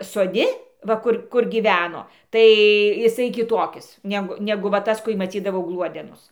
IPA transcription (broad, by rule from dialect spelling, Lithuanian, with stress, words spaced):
soːˈdʲɪ ˈʋɐ ˈkʊr kʊr ɡʲiːˈʋʲæːnoː ˈtɐɪ jɪˈsɐɪ kʲɪˈtoːkʲɪs ˈnʲæːɡʊ ˈnʲæːɡʊ ʋɐ ˈtɐs kʊ ɪ mɐˈt͡sʲiːdɐʋɐʊ ˈɡlˠuɔdʲɛnʊs